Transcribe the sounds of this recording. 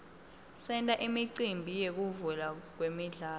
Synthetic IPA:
sɛntʼaʔimiǀimbʱijek̬uvulak̬wemiɮaː

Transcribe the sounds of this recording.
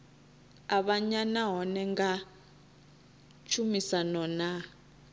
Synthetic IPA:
aɓaɲanaɦɔnɛŋɡa | t͡ʃʰumisanɔna

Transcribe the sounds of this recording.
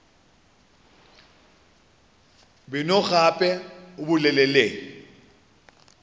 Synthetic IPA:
ɓɪnɔɣapʼɛuɓulɛlɛleːni

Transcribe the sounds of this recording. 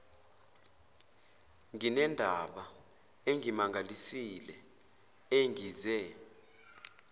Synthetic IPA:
ŋinɛndʱaɓa | eŋʱimaŋʱalisilɛ | eŋiːzɛ

